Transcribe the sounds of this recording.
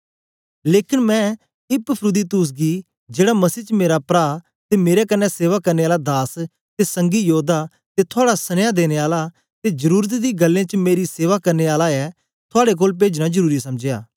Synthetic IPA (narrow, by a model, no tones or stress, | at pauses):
leːkɪnmɛ̃ | ɪppʰɾʊd̪it̪ʊːs̬ɡi | d͡ʒeːɽamɐsiːt͡ʃəmeːɾapɾaː | t̪emeːɾekɐnːɛseːʋakɐɾneaːlad̪aːs | t̪esɐ̃ŋɡijoːd̪a | t̪et̪ʰʊaːɽasɐnjad̪eːñeaːla | t̪ed͡ʒɐɾuːɾət̪d̪iɡɐlːẽt͡ʃəmeːɾiseːʋakɐɾneaːlaɛ | t̪ʰʊaːɽek̬oːlp̬eːd͡ʒnad͡ʒəɾuːɾisɐmd͡ʒja̰ː